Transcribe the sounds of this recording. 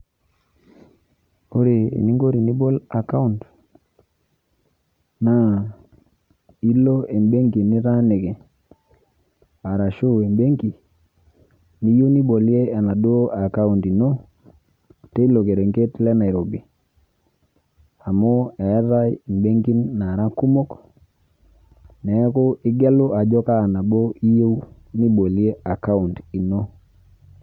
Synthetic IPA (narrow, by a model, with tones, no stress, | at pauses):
o˦ɾe˨ḭ˨ni˦ŋɡo˦ɾi˨ni˦bo˦la˨ka˦u˦˨nt | na˦ | i˦lo˦e˨mbe˦ŋɡi˨nɪ˦ɾa˦ne˨ke˨ | a˨ɾa˨ʃu˦e˨mbe˦ŋɡi˨ | ni˦ju˦ni˦bo˨lje˦a˨na˨du˦o˦ʔa˨ka˦u˨nti˨no˦ | te˦i˦lo˨ke˨ɾe˨ŋɡe˦tlɛ˦na˨i˨ɾo˨bi˨ | a˨mo˦ɛ˨˦ɾa˦i˨mbe˦ŋɡi˦nːa˨ɾa˦ku˦mo˦k | nɛ˨˦kʊ˦ʔɪ˦ɡɛ˦lʊ˦a˨d͡ʒɔ˦ka˦˨na˨bo˦i˦jo˦w | ni˦ɓo˨li˦e˦a˨ka˦u˨nti˨no˦